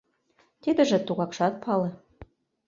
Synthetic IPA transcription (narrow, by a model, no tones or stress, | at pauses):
t̪id̪ə̆ʒĕt̪uɣɑkʃɑt̪̚pʰɑlĕ